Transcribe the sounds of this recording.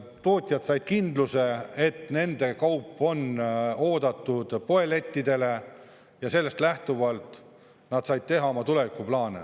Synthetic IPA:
t̪o̞ːt̪ʲˑjɑd̪̥sɑjd̪̥̚kind̪̥luse̞et̪ne̞nd̪̥e̞kɑwpːˑo̞no̞ːd̪̥ɑt̪ːˑud̪̥po̞e̞le̞t̪ʲːid̪e̞le̞ | jɑse̞lːe̞st̪læht̪uvɑlt̪ˑ | nɑd̪̥sɑjd̪̚t̪e̞ɦɑo̞mɑt̪ule̞vikːˑuplɑːnḛ

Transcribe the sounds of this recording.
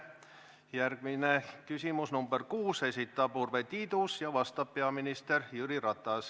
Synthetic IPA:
jærɡ̥minekysimusnumberkuːse̞sit̪ːˑɑpurvet̪iːd̪usjɑvɑst̪ɑppeɑminist̪erjyɾirɑt̪ːˑɑs

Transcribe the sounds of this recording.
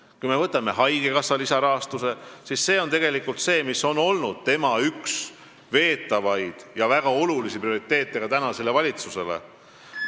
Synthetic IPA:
kujme̞vɤt̪ːˑɑme̞ɦɑjɡ̥e̞kɑsːɑlisɑɾɑɦɑst̪use̞sisːe̞ːo̞nt̪e̞ɡe̞likːult̪se̞ːmiso̞no̞lnud̪̥̚t̪e̞mɑyks | ve̞ːt̪ːˑɑvɑjd̪̥jɑvæɡ̥ɑo̞lulisiprio̞ɾit̪ːe̞ːt̪ːˑe̞ɡ̥ɑt̪ænɑse̞le̞vɑlʲit̪suse̞le̞̰

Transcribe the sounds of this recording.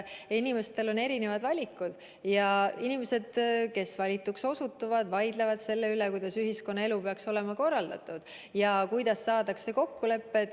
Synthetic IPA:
inime̞st̪e̞lo̞ne̞ɾine̞vɑd̪vɑlʲikːud̪̥ | jɑinime̞se̞d̪̥ke̞svɑlʲit̪ːˑukso̞sut̪ːuvɑd̪̥vɑjd̪levɑd̪̥se̞lːe̞ylekujd̪ɑsyɦisko̞nːɑe̞lupeɑkso̞le̞mɑko̞rːɑld̪ɑt̪ˑud̪̥ | jɑkujd̪ɑsːɑːd̪̥ɑkse̞ko̞kːule̞pːe̞t̪

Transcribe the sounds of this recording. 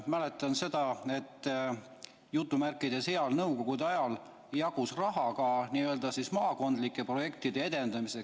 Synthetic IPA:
mæle̞t̪ːˑɑnse̞d̪̥ɑe̞t̪ː | jut̪ːˑumærkːˑid̪̥ese̞ɑlnɤwko̞ɡ̥ud̪eɑjɑl | jɑɡ̥usrɑɦɑkɑniøld̪̥ɑsismɑːko̞nd̪likːˑe̞pro̞je̞kt̪id̪̥ee̞d̪̥e̞nd̪ɑmise̞ks

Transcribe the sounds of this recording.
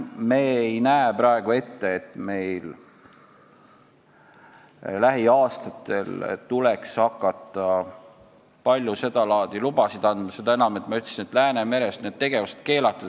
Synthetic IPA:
meːejnæepɾɑe̞ɡ̥ue̞t̪ːe̞ːt̪ːˑme̞jl | læɦiɑːst̪ɑt̪ːe̞lt̪ulekshɑkˑːɑt̪ˑːɑ | pɑlʲjuse̞d̪ɑlɑːd̪̥ilub̥ɑsid̪̥ɑnd̪mɑse̞d̪̥ɑe̞nɑme̞t̪ːˑmɑyt̪l̥sinet̪ːˑlæːneme̞ɾest̪ne̞d̪̚t̪e̞ɡ̥e̞vuse̥t̪̚ke̞ːlɑt̪ːˑu̥

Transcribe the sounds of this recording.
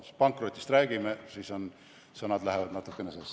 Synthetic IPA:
pɑŋkˑrot̪ʲːˑist̪ræːɡ̥imesiso̞n | sɤnɑd̪læɦevɑd̪̥nɑt̪ːˑukːˑenese

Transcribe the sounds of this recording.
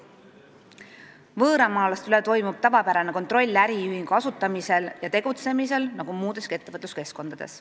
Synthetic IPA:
vɤːɾɑmɑːlɑst̪ylet̪o̞jmub̥̚t̪ɑvɑpæɾɑneko̞nt̪ˑro̞lʲːæɾiyhiŋɡ̥uɑsut̪ːˑɑmise̞ljɑt̪e̞ɡ̥ut̪se̞mise̞lnɑɡ̥umuːd̪e̞ske̞t̪ːevɤt̪ˑluske̞sko̞nd̪̥ɑd̪e̞̰s

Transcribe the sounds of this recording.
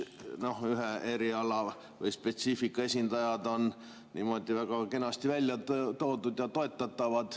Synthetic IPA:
no̞hyɦee̞ɾiɑlɑ | vɤjspe̞t̪siːfikːˑɑe̞sʲind̪ɑjɑd̪o̞n | nḭːmo̞d̪ivæɡ̥ɑke̞nɑst̪ivælʲjɑt̪t̪o̞ːd̪ud̪jɑt̪o̞e̞t̪ːˑɑt̪ːˑɑvɑd̪̥

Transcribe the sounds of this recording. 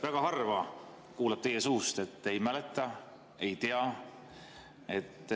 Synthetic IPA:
væɡ̥ɑɦɑrvɑ | kuːlɑb̥̚t̪e̞je̞suːst̪e̞t̪ːe̞jmælet̪ːˑɑ | e̞jt̪eɑ | e̞t̪ːˑ

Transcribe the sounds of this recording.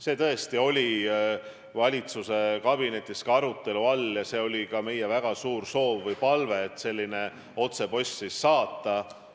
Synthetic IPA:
se̞ːt̪ɤ̞e̞st̪io̞lʲi | vɑlʲit̪suse̞kɑb̥ine̞t̪ʲːˑiskɑɑɾut̪ːˑe̞luɑljɑse̞ːo̞lʲikɑme̞jevæɡ̥ɑsuːrso̞ːvːɤjpɑlve̞ːt̪ːˑse̞lʲːine̞ | o̞t̪se̞po̞sʲːisːɑːt̪ːˑɑ

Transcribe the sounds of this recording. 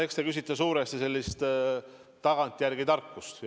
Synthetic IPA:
ekst̪ekysʲit̪ːˑɑsuːɾest̪ise̞lʲːist̪ | t̪ːɑɡ̥ɑnt̪ːˑjærɡid̪ɑrkːˑust̪

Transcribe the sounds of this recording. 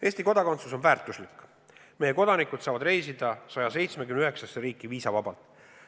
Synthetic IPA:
e̞ːst̪iko̞d̪ɑkont̪suso̞nvæːrt̪ːˑuslikːˑ | me̞je̞ko̞d̪̥ɑnikˑud̪̥sɑːvɑd̪re̞jsid̪̥ɑsɑjɑse̞jt̪smekymnyɦeksɑseɾiːkːˑiviːsɑvɑbɑlt̪ˑ

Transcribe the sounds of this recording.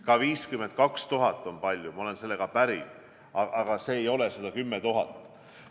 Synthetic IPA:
kɑviːskyme̞nt̪̚kɑkst̪uɦɑt̪ːˑo̞npɑlʲjumɑo̞lense̞lːe̞ɡ̥ɑpæɾḭ | ɑʔɑɡ̥ɑse̞ːjo̞le̞sed̪ɑkymːet̪uɦɑ̰t̪ːˑ

